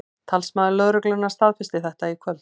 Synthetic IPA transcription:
t̪ʰalsmaːðɪlœðɾʏklʏnːaɾst̪aðfɪst̪ɪθɛht̪aikʰvœlt̪

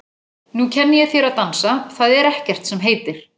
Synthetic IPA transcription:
nucʰɛnːɪjɛθjɛɾaðt̪ansaθaðɛɾɛhcɛr̥t̪sɛmɦeːjt̪ɪɾ̥

